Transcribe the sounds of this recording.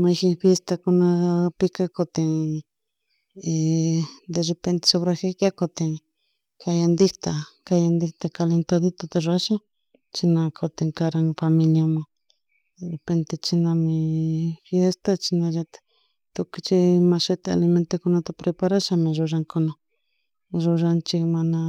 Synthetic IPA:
mãxifjest̪akonãpikakot̪eŋ | e | d̪erepent̪e̥soβɾaxekakot̪eŋ | kajand̪it̪akajand̪it̪akalent̪aðit̪ot̪eʐaʃa | t͡ʃinãkʰot̪eŋkaɾaŋfamĩljamã | d̪erepent̪et͡ʃinãmĩfjest̪at͡ʃinãʒat̪ | t̪okit͡ʃimãʃet̪ea̰limẽnt̪ekonãt̪apɾepaɾaʃamĩʐoʐaŋkonã | ʐoʒant͡ʃimãnã

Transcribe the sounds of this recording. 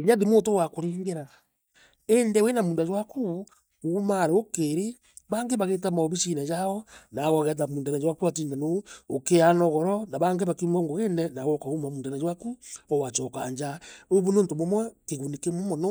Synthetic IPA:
ɾjaðimoːtowakoɾeːŋɡeɾa | endɛwenamuːndad͡ʒwaku | omaɾeokeɾe | βaŋɡeβaɣet̬amɔβiʃinad͡ʒaɔnaɣɔɣɛt̬amuːndanad͡ʒwakuatiːndanookeanɔɣɔɾɔnaβaŋɡeβakimɔŋɡoɣenɛnaɣɔkaɣumamuːndanad͡ʒwakuɔwat͡ʃɔkaɲd͡ʒaoβunoːntomomwɛkeɣunikemomɔnɔ

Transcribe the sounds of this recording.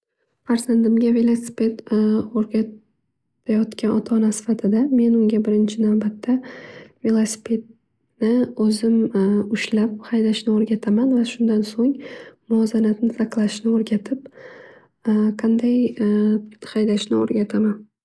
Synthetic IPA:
faɾzand̪ɪmɡʲave̞lˠosɪ̥pe̞t̪oɾɡʲa | ajɒt̪kʲanɒt̪ʰanasɪ̥fat̪ʰɪd̪ame̞nʊŋɡʲabɪɾɪnt͡ʃʰɪnavbat̪ʰːave̞lˠosɪ̥pʰe̞d̪̚ | nɪɵzɪmʊʃlap̚hajd̪aʃnɪoɾɡʲat̪ʰamanvaʃʊnd̪ansoŋmʊɒzanat̪nɪsʰaqlˠaʃnɪoɾɡʲat̪ʰɪp | qʰɑnd̪aj | hajd̪aʃnɪo̰ɾɡʲat̪ʰaman

